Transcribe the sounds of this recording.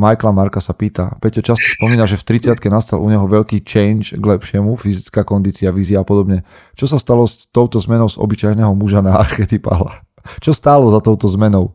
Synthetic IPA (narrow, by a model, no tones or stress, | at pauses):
majklamaɾkasapiːt̪a̰pɛtɔt͡ʃascɔ̥spɔmiːnaʒɛft̪ɾit͡sɪat̪kɛnast̪alʔṵɲɛɦɔʋɛʎkiːt͡ʃɛjnʃɡlɛpʃɪɛmufizit͡skaːkɔnd̪iːt͡siaʋiːziaːpɔd̪ɔbɲɛ | t͡ʃɔsast̪alɔst̪ɔʊt̪ɔzmɛnɔʊzɔ̰bit͡ʃajnɛɦɔmuʒanaːɾxɛt̪ipa̰ɦla̰ | t͡ʃɔst̪aːlɔzat̪ɔʊt̪ɔzmɛnɔʊ